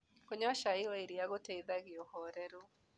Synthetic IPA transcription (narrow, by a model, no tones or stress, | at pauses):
koɲaʃaiɔeɾiaɣotɛiðaɣeohɔːɾɛɾo